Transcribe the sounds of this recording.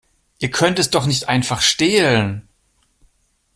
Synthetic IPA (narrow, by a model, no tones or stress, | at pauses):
ʔiːɐkʰœntɛsd̥ɔχnɪçtʔaɪnfaχʃteːlən